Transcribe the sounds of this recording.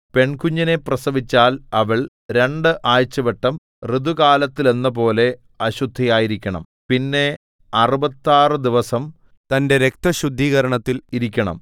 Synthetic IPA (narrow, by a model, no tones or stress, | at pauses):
pe̞ɳkuɲːɐneprɐsɐʋit͡ɕːaːlɐʋɐɭ | ɾe̞ɳɖɨʔaːjt͡ɕːɐʋeʈːɐm | rid̪ukaːlɐt̪ːile̞nːɐpo̞ːle̞ | ɐɕud̪ʱːɐjaːjiɾikʲːɐɳɐ̰m | pinːe̞ | ɐrubɐt̪ːaːrɨd̪iʋɐsɐm | t̪ɐnde̞ɾek̚t̪ɐɕud̪ʱːiːɣɐɾɐɳɐt̪ːiliɾikʲːɐɳɐ̰m